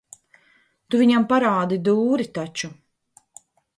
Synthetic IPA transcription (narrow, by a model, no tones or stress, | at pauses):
t̪uviɲampaɾaːd̪id̪uːɾit̪at͡ʃu